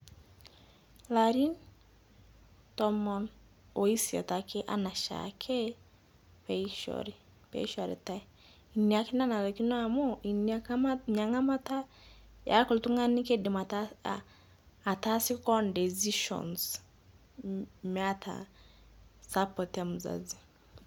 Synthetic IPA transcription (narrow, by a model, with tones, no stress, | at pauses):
la˨ɾi˦n | tɔ˦mɔ˨n | o˨i˦si˨a̰˨ta˨kʰe˦ʔa̰˦na˨ʃa̰kʰe˦ | peiʃɔ̰ɾi˨ | pḛ˦ʃa˨ɾḭ˨ta˦ | i˨ni˨a˨ki˦na˦na˨lo˨ki˦no˦a˨mo˦i˨nɲa˨ŋa˦ma˦ta˦ | jʔa̰˦kɔ˨ltu˦ŋa˦ni˦ke˦dɛ˨ma˨ta˨ | ta˦si˦kɔ˦ndɛ˨zi˦ʃɔ̰˨ns | mɛa˦tʰa̰˨ | sa˦pɔ˨ta˦mu˨za̰zi˨